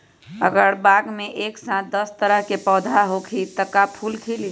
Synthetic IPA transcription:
ə̰ɡəɾbaɡmeʔeksãt̪̚d̪əst̪əɾəɦkepəd̪ʱaɦokʰit̪əkapʰulkʰili

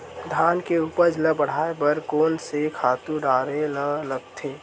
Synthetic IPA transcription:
d̪ʱaːnkeuːpəɾd͡ʒləbəɽ̤aːebəɾkoːnsekʰaːt̪uɖaːɾelələɡ̚t̪ʰeː

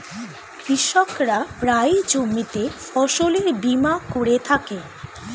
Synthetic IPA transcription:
kɾiʃokɾapɾajd͡ʑomːit̪e | ɔʃoleɾbimakoɾet̪ʰake

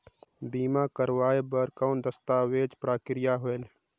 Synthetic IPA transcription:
biːmãːkəɾwaːebəɾkaːnd̪ɐst̪aːweːd͡ʒpɾaːkɪɾɪjaɦoel

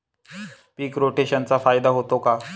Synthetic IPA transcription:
piːkɾoʈeɕənt͡safajd̪aɦot̪oka

